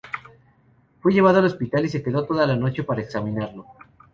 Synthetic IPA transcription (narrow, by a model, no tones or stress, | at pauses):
fweʝe̞β̞aðoalospit̪alis̬e̞ke̞ðo̞t̪o̞ðalano̞t͡ʃe̞paɾaeksamĩnaɾlo̞